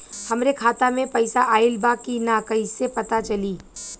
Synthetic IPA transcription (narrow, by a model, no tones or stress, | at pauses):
hɐmɾekʰaːt̪amẽpɐɪsaʔaːɪlbakinaːkɐisepɐt̪at͡ʃɐliː